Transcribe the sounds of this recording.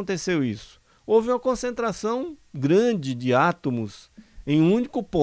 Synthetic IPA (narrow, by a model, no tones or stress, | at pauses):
õnt̪esewisʊ̥ | owvɪũmɐkõsẽnt̪ɾasɐ̃w̃ɡɾɐ̃d͡ʒɪd͡ʒɪat̪omʊzẽj̃ũnikʊpõ